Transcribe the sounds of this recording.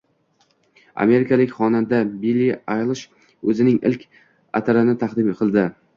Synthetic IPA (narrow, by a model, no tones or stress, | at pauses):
a̰me̞ɾɪkʰʲalɪkʲχɒnand̪abilːiajlˠɨʃ | ɵzɪnɪŋɪ̰lkʲ | a̰t̪ʰaɾanɪt̪ʰɑqd̪ɪmqʰɨlˠd̪ɪ